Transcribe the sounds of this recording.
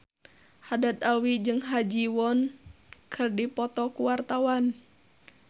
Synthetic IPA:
hadat̪alwid͡ʒɨŋɦad͡ʒiwɔn | kʰɨrdipɔt̪ɔkuwart̪awan

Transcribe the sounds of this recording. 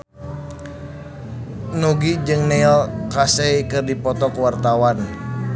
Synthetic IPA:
nuɡid͡ʒɨŋnɛɔlkasɛikɨrdipɔt̪ɔkuwart̪awan

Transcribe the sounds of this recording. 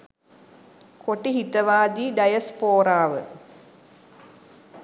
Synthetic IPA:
koʈːiɦit̪ːɐʋaːd̪iːɖɐjɐspoːɾaːʋə̰

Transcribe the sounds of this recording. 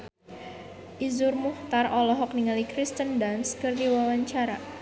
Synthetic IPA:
ʔizʊrmuht̪arɔlɔɦɔkniŋalikɾist̪əndanskɨrdiwawaɲt͡ʃaɾa

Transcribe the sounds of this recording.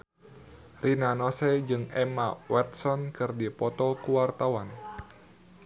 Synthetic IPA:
rʔinanɔsɛd͡ʒɨŋɛmawɛt̪̚sɔnkɨrdipɔt̪ɔkuwart̪awan

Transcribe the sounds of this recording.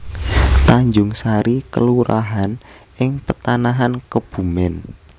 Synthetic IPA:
t̪aɲd͡ʒʊŋsaɾikəluɾa̰ɦan | ʔɪŋpət̪anaɦankəb̥ṳmɪn

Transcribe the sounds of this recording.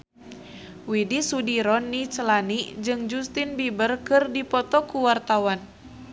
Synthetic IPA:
widisudiɾɔnːit͡ʃəlanid͡ʒɨŋd͡ʒust̪inbibərkɨrdipɔt̪ɔkuwart̪awan

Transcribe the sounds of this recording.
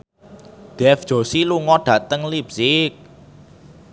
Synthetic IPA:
ɖ̪̥ɛfd̥ʒ̥o̤siluŋɔɖ̥ä̤t̪əŋlipsɪk̚

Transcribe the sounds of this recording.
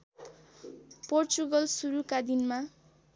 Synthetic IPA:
port͡suɡʌlsuɾukad̪inma

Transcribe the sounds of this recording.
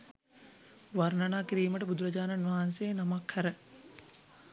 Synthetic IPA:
ʋarnanaːkiɾiːməʈəbud̪uɾɐd͡ʒaːnanʋaɦanseːnamakhæɾə

